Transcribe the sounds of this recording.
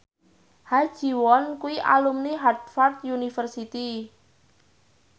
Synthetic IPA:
hḁʒ̥i̤wɔnkuwiʔa̰lumniɦat̪̚fart̪̚junifərsit̪i

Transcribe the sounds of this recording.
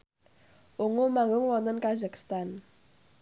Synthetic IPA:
ʔuŋomaŋɡʊŋwɔnt̪ənkazakst̪an

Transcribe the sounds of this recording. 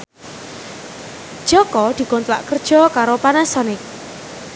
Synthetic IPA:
d̥ʒ̥ɔkɔd̪̥i̤kɔnt̪la̰ʔkərd̥ʒ̥ɔ̤kaɾopanasɔnɪk̚

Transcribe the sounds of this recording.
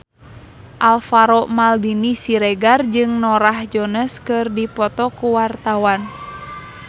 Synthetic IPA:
ʔalfaɾɔʔmaldinisiɾɛɡard͡ʒɨŋnɔɾahd͡ʒɔnəskɨrdipɔt̪ɔkuwart̪awan

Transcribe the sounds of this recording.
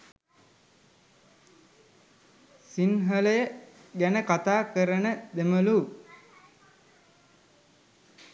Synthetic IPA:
sinɦələjə | ɡænəkat̪aːkəɾənəd̪eməlu

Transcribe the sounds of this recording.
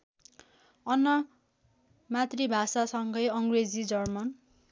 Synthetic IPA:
ʌnːʌ | mat̪ribʱasasʌŋɡʌjʌŋred͡zid͡zʌrmʌn

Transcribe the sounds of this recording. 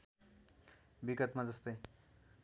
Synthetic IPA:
biɡʌt̪mad͡zʌst̪ʌj

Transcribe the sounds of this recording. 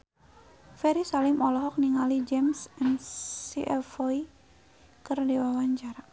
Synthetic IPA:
fɛɾisalimɔlɔɦɔk̚niŋalid͡ʒɛmsɛnsiʔɛlfɔi | kɨrdewawaɲt͡ʃaɾ

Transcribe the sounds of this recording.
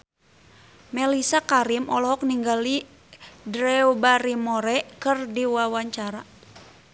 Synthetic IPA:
mɛlisakaɾimɔlɔɦɔk̚niŋɡali | dɾɛubaɾimɔɾɛkɨrdiwawaɲt͡ʃaɾa

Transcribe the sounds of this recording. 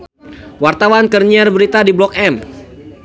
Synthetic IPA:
wart̪awankərɲiarbəɾit̪adiblɔk̚ɛm

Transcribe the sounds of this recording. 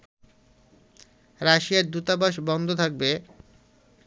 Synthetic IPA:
ɾaʃijaɾd̪ut̪abaʃ̬bɔnd̪ʱot̪ʰak̚be

